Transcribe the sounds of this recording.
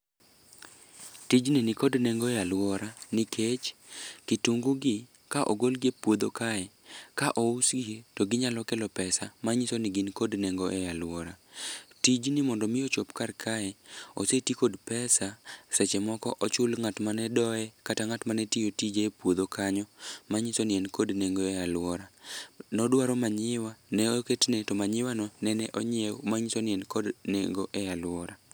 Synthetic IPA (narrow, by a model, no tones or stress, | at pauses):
tid͡ʒninikodnɛŋɡɔɛjalwɔɾanikʰet͡ʃkituŋɡuɡɪ | kaʔoɡolɡepwod̪okaɛkaʔousɡitɔɡɪɲalɔkɛlɔpɛsamaɲisonɪɡɪnkodnɛŋɡoʔɛjalwɔɾatid͡ʒnɪmɔndɔmɪjot͡ʃopkarkʰaɛo̰setikodpɛsasɛt͡ʃɛmɔkɔ̰ʔɔt͡ʃʊlŋatmanɛdɔɛkataŋatmanɛtijotid͡ʒeːpwod̪okʰaɲɔmaɲɪsonɪɛnkodneŋɡoejalwɔɾanɔdwaɾɔmaɲɪwanɛoketnɛtɔmaɲɪwanɔnɛnɛʔoɲɛomaɲɪsonɪɛnkodnḛŋɡoʔɛjalwɔɾa